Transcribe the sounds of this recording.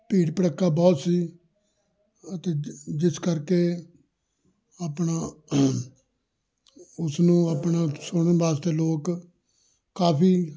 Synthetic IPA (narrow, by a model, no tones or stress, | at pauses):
piːɽpəɽəkːaːbɔːt̪siː | ət̪eːd͡ʒɪskəɾkeː | apnaː | ʊsnũːəːpɳaːsʊɳənʋaːst̪eːloːkː | aːpʰiː